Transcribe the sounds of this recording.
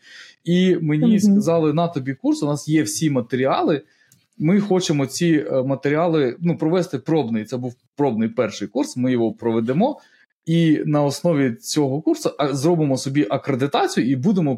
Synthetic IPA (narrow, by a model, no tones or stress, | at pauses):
imenʲiskɐzɑlˠɪnɑt̪ɔbʲikursnɑsjɛwsʲimɐt̪eɾʲiɑlˠɪ | mɪxɔt͡ʃemɔt͡sʲimɐt̪eɾʲiɑlˠɪnupɾɔʋɛst̪ɪpɾɔbnɪjt̪sɛbuw | pɾɔbnɪjpɛrʃɪjkursmɪjɔɦɔpɾɔʋed̪emɔ | inɐɔsnɔʋʲit͡sʲɔɦɔkursʊɐzɾɔbɪmɔsɔbʲiʔɐkɾed̪ɪt̪ɑt͡sʲijʊibud̪emɔ